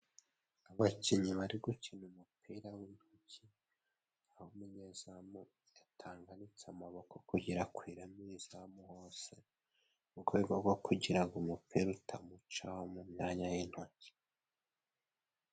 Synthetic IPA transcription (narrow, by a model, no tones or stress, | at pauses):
aβaciɲiβaɾiɡucinumupʰiɾawin̥hoci | ahomuɲezamu | jatʰaːŋɡanit͡samaβokokuɟiɾakwiːɾamizamuhoːse | uɡweːbɡoɡwokʰuɟiɾaɡumupʰiɾutʰamut͡ʃahomumɲaːɲajin̥hoci̥